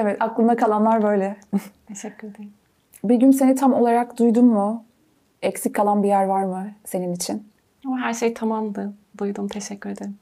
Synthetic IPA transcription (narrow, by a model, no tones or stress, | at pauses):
evɛt̪ʰaklˠɯnd̪akʰalˠanlˠaɾbø̞jlʲɛt̪ʰeʃɛcʰːyɾed̪eɾm | biɟynse̞nit̪ʰamo̞lˠaɾakd̪ujd̪umːʊ | ɛcsicʰːalˠanbijæɾvaɾmɯse̞ninit͡ʃʰin | amɦæɾʃejt̪ʰamamd̪ˠɯd̪ujd̪umt̪ʰeʃɛcːyɾed̪eɾm